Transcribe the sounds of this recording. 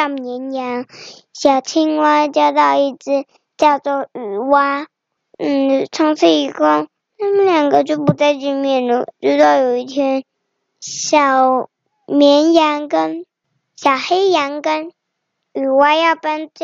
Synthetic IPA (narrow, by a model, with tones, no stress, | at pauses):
mjɛ˧˥nja˧˥ŋɕjɑ˨˩ʊt͡ɕʰi˥ŋwa˧˥t͡ɕjɑ˥˧ʊt̪ɑ˥˧ʊi˥˧t͡sɹ̩˥˩ | t͡ɕjɑ˥˧ʊt͡sɔ˥˩y˨˩wa˧˥ | n̩˥˩t͡sʰɑ˥ŋt͡s̩ʰ˥˩i˧˥˩ko˥˧ | na˥˩mə˨ljɑ˨˩ŋɡə˧˦t͡ɕjo˥˩ʊpu˧˥t͡sa˥˧ɪt͡ɕy˥˧mjɛ˥˩˧nu˥˧˩t͡ɕjo˥˧ʊt̪o˥˧ʊjo˨˩ʊi˥˩t̪ʰjɛ˥n | ɕjɑ˨˩ʊ | mjɛ˧˥nja˧˥ŋkə˥n | ɕjɑ˨˩ʊxe˥ɪja˧˥ŋkə˥n | y˨˩wa˧˥jɑ˥˩ʊpa˥nt͡s